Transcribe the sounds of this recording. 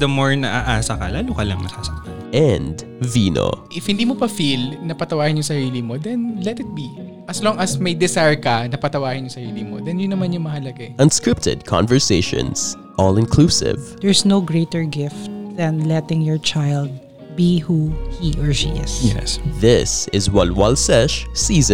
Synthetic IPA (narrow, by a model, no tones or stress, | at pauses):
d̪ɐmoɹnɐʔaʔaːsɐkɐ̰laːlokɐlɐŋnɐkasɐkɐʔɛ̃nd | viːno̰ʔɪfhɪnd̪iːmopɐfilnɐpɐt̪ɐwaːhɪnjʊŋsɐɾiːlimod̪ɛnlɛt̪ɪt̪̚bi | ʔɐslɔŋɐsmɐjd̪ɛsajɹkɐnɐpɐt̪ɐwaːhɪ̃njʊŋsɐɾiːlimo̰d̪ɛnjʊnːɐmanjʊŋmɐhɐlɐɡaʔɐ̃nskɹɪp̚t̪ʰɪ̰d̚kʰã̰nvɛɹseɪʃɔ̰̃nz̥ | ʔɔlɪ̃nkʰluːsɪ̰vd̪̥ɛɹsnowɡɹejt̪ɛɹɡɪft̪̚ð̥ɐ̃nlɛt̪ɪ̃ŋjɔɹt͡ʃajld̪̚ | bihuhiʔɜɹliɪsɛsðɪsɪzwalwalsɛʃsiːzə̃